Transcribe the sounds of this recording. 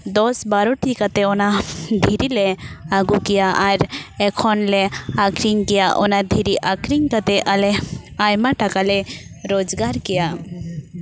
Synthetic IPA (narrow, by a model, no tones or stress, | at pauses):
d̪ɔsbaɾɔʈikat̪ɛɔnad̪ʱiɾilɛaɡukɛjaʔaɾɛkʰɔnlɛakʰɾiŋkɛjaʔɔ̰nad̪ʱiɾiʔakɾiŋkat̪ɛʔalɛajmaʈakalɛɾod͡ʒɡaɾkɛja